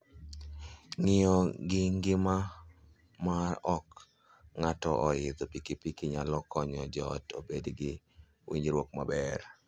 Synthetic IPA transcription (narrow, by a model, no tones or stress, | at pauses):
nɪɔɡɪŋɡɪma | marɔk | ŋatɔʔɔɪd̪ɔpikipikiɲalɔkɔɲɔd͡ʒɔto̰bedɡɪ | wḭɲɾwok̚mabɛɾ